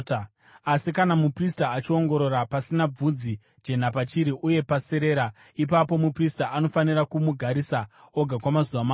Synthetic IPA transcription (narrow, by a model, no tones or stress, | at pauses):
asikanamupristaːt͡ʃio̞ŋɡo̞ɾo̞ɾapasinab͡vud͡zi | d͡ʒe̞n̤apat͡ʃiɾiʔuje̞paseɾe̞ɾa | ip̬apo̞mupristaʔano̞fanirakumuɡʱaɾisa | o̞ɡʱakwamazuʋama